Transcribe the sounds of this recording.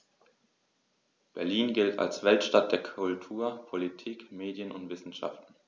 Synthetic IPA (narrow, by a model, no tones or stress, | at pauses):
b̥ɛɐliːnɡɪltʰa̰lsv̥ɛltʃtat̚d̥eːɐkʰʊltʰuːɐpʰolitʰiːkmeːdjənʊntv̥ɪsn̩ʃa̰ftn̩